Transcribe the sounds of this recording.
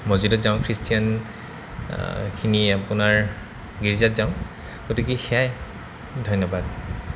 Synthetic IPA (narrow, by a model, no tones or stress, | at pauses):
mozidɔtzaʊ̃kʰɹistijan | kʰiniapunaɹ | ɡiɹizatzaʊ̃ | ɡotikixeaj | dʱɔjnːɔbad